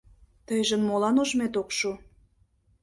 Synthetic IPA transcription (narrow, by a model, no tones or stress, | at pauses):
t̪əjʒənmolɑnoʒmet̪okʃu